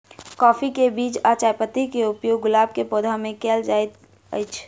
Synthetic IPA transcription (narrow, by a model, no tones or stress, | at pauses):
kɔːfʰikebiːt͡ʃat͡ʃaːjpət̪ikeʊpjoːɡːʊlaːb̚kepoːd̪ʱamẽkeːld͡ʒaːet̪ | ə̰jt͡ʃʰ